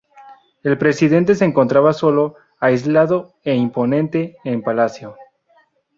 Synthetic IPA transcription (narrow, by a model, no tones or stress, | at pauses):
e̞lpɾe̞siðe̞nt̪̬e̞s̬eːŋko̞nt̪ɾaβaso̞lo̞ | ajzlaðo̞ | eimpo̞nẽ̞nt̪e̞ːmpalasjo̞